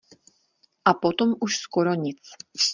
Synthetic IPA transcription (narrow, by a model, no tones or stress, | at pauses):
ʔapot̪omuʃskoɾoɲɪt͡s